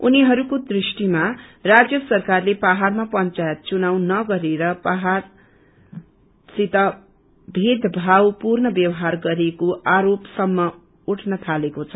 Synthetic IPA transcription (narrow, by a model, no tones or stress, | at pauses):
uniɦʌɾukod̪risʈimarad͡zjʌsʌrkarlebaɦarmapʌnt͡sajet̪̚t͡sunaw̃nʌɡʌɾeɾʌbaɦar | sit̪ʌ | bʱed̪ʱbʱawpurnʌbjʌwʌɦarɡʌɾekoʔaɾopsʌmːʌ | uʈʰnʌt̪ʰalekot͡sʰʌ